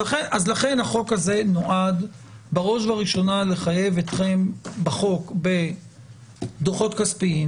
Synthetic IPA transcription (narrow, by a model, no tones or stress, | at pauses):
eazlaχe̞nhaχo̞khaze̞no̞ʔad̪ | baʁo̞ʃvaʁiʃo̞nale̞χaje̞vet̪χe̞mbaχo̞kbe̞ | d̪oχo̞t̪kaspiim